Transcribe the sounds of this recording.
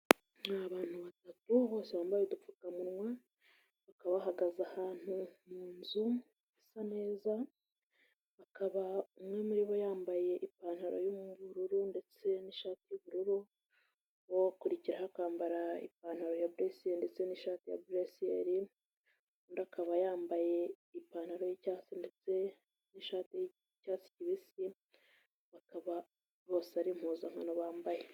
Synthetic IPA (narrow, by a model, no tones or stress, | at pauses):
naβaːn̥huβatatuβo̞ːse̞βaːmbajodufukamuɾŋwa | βakaβaβɦaɡazahaːn̥humuːnzu | isane̞ːza | βakaβaumŋe̞muɾiβojaːmbaje̞ʔipaːn̥haɾo̞̰jomuβuɾuɾunde̞t͡se̞niʃaːtijuβuɾuɾu | wokuɾiciɾahakaːmbaɾaḭp̚aːn̥haɾo̞jabuɾesiende̞t͡se̞niːʃaːtija̰bɾesieɾi | undakʰaβajaːmbaje̞ | ipaːn̥haɾo̞jicaːt͡sindet͡se | niʃaːti | caːt͡si̥ciβisi | βakaβa | βo̞ːsaɾim̥huːzaŋhanoβaːmbaje